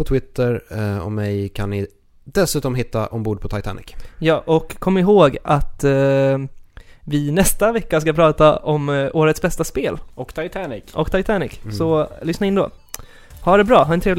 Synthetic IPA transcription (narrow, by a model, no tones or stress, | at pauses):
pɔt̪ʰwɪt̪ːəɾɔ̰mɛjkʰanːɪ | d̪̥ɛsʉ̟ːt̪ɔmɦɪt̪ːaʔɔmbuːɖ̚pʰɔt̪ʰajt̪ʰa̰ːnɪ̰kjɑːʔɔkʰːɔmːɪɦoːɡat̪ | vɪnɛst̪avɛkːas̬kapʰɾɑːt̪aʔɔmoːɾət̪sbɛst̪aspeːlɔkt̪ʰajt̪ʰːnɪkʔɔkt̪ʰajt̪ʰanɪ̰ksɔlʏsnaɪnd̪o̰ː | haɖɛbɾɑːɦaɾɛnt̪ʰɾeːvl